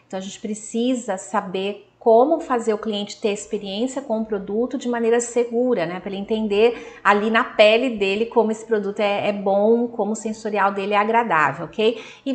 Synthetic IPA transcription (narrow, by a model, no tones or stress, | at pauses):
ẽt̪ɐ̃w̃ɐʒẽnt͡ʃɪ̥pɾesizɐsabeɾ | kõmʊfazeɾʊkliẽnt͡ʃɪ̥t̪eɾespeɾiẽsiɐkõũpɾod̪ut̪ʊd͡ʒɪmɐ̃nejɾɐseɡuɾɐnɛpelɐẽnt̪ẽnd̪eɾalinɐpɛlɪd̪elɪkõmʊesɪ̥pɾod̪ut̪ʊɛɛbõw̃kõmʊsẽsoɾiawd̪elɪɛaɡɾad̪a̰vewokej | ɪ